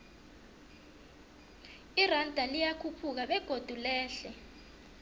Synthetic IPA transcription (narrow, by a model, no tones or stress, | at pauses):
irandʱalijakʰupʰuk̬aɓɛɡ̥ʱod̥ʱulɛːɬɛ